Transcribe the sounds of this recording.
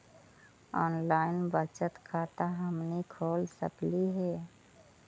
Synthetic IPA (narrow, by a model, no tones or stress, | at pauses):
ɔːnlaːɪnbət͡ʃət̪kʰaːt̪aɦəmnekʰoːlsə̰pliɦɛː